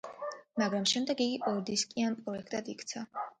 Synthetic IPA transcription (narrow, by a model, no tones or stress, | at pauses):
maɡɾamʃɛmd̪ɛɡiɡiʔɔɾd̪iskʼianpʼɾɔɛkʰt̪ʼad̪ikʰt̪sʰa